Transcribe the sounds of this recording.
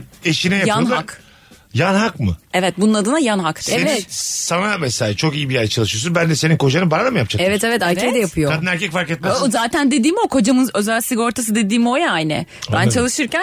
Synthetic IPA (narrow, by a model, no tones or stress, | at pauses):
eʃinɛjajanak | janɦakmɯ̰ɛvɛt̪̚bununad̪ɯnajanɦak̪seeɛsanamɛsaat͡ʃʰo̞kijibijajɛt͡ʃʰalˠɯʃyjos̬unbænd̪ɛse̞ninkʰo̞d͡ʒanɯbaɾad̪amɯjap̚t͡ʃʰaɛvɛt̪evɛt̪æɾʰɛjd̪ɛjapʰɯjoad̪ɯnæɾcɛcfaɾkɛt̪̚mazaːt̪ʰænd̪e̞d̪iːmio̞kʰo̞d͡ʒamɯnø̞zælʲsiɡo̞ɾt̪ʰas̬ɯd̪e̞d̪iːmio̞jaajnɛ̰bant͡ʃʰalˠɯʃɯɾcæn